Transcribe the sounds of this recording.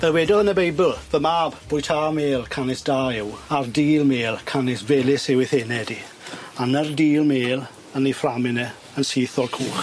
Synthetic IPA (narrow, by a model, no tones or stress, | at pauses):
vɛlwɛdɔənəbejbɪlˠvəmabb̥ʊːjtʰaːmeːlˠkʰanɪsd̥aːɪwardiːlˠmeːlˠkʰanɪsvɛlɪsɪwɪθɛnɛdi | anərdiːlˠmeːlˠ | ənːiframɪnɛ | ənsiːθɔlkʰuːχ